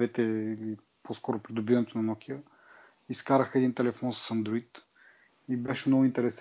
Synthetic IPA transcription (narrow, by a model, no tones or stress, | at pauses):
ɛt̪ɛili | poskɔɾʊpɾid̪ʊbivɐnɛt̪onɐnɔkʲiə | iskaɾəxəɛd̪int̪ɛlɛfɔnsə̥sɐnd̪ɾoit̪ | ibɛʃɛmnɔɡʊint̪ɛɾɛs